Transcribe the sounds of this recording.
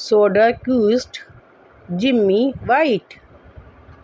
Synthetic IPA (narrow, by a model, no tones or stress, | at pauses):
soːɖəkuːsʈ | d͡ʒimːiʋaɪʈ